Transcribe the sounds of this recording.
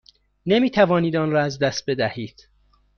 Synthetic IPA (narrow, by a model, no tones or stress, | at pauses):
nemiːt̪ʰævɒːniːd̪ɒːnɾɒːæzd̪æst̪̚bed̪æhiːd̪̥